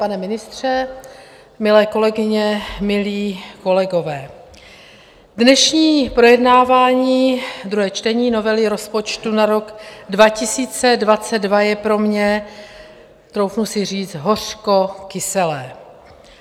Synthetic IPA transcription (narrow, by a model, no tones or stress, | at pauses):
panɛmɪnɪst̪r̝̥ɛ | mɪlɛːko̞lɛɡɪɲɛmɪliːko̞lɛɡo̞vɛː | dnɛʃɲiːpɾo̞jɛdnaːvaːɲiːd̪ɾuɦɛːt͡ʃt̪ɛɲiːno̞vɛlɪɾo̞spo̞t͡ʃt̪unaɾo̞ɡdvacɪsiːt͡sɛdvat͡sɛdvajɛpɾo̞mɲɛ | t̪ɾowfnusɪr̝iːt͡st̪ɦo̞r̝̥ko̞kɪsɛlɛː